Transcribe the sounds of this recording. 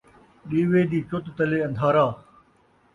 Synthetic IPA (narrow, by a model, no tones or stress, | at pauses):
ɗiːʋeːd̪iːt͡ʃʊt̪t̪əleːɐ̃nd̪ʱaːɾaː